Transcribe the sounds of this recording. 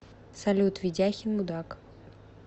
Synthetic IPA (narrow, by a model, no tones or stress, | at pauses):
sɐlʲut̪vʲidʲaxʲɪnmud̪ak